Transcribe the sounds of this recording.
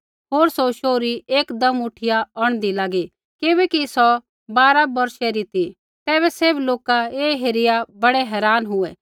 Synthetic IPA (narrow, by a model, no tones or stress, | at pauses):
ɦoːɾsoʃoːɾieːkd̪ɐmʊʈʰɪjaɔɽ̃d̪ilaːɡi | kɪbɛːkisɔ | baːɾabɐɾʃɛɾit̪ʰi | t̪ɛːβɛseːbloːkaeːɦeɾɪjabɐɽɛɦɛːɾaːnɦʊɛː